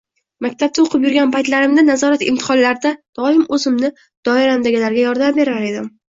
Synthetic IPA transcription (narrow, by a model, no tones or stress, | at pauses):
makʲt̪ʰap̚t̪aoqʰɨpjʊɾɡʲanpajt̪laɾɪmd̪anazɒɾat̪ɪ̰mt̪ʰɪ̥χɒnlaɾd̪ad̪̥ɒɪmɵzɪmnɪ | d̪̥ɒɪɾamd̪aɡʲalaɾɡʲajɒɾd̪ambe̞ɾaɾe̞d̪ɪm